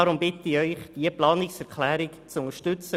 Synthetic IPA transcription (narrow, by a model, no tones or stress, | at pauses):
ɑɾʊmbɪt̪ɪœʏχd̥iəplɑːnɪksɛɾkʰlæːɾɪkt͡sʊŋəʃtʏt͡sə